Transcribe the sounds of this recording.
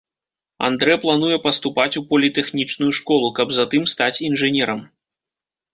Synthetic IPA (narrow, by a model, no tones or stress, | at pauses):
a̰nd̪ɾɛplˠanujɛpɐst̪upat͡sʲupɐlʲit̪ɛxnʲit͡ʂnujuʂkɔlˠukɐbzat̪ɨmst̪at͡sʲinʐɨnʲɛɾɐm